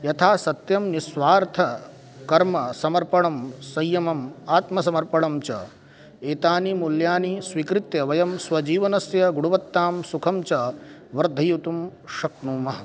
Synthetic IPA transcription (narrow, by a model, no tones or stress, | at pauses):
jɐt̪ʰaːsɐt̪jɐmnisʋaːɾt̪ʰɐ | kɐɾmɐsɐmɐɾpɐɳɐmsɐjːɐmɐmaːt̪mɐsɐmɐɾpɐɳɐmt͡ʃɐ̰ | eːt̪aːnimuljaːnisʋikɾɪt̪jɐʋɐjɐmsʋɐd͡ʒiːʋɐnɐsjɐɡuɽuʋɐt̪ːaːmsukʰɐmt͡ʃɐʋɐɾd̪ʱɐjut̪umʃɐk̚nuːmɐɦɐ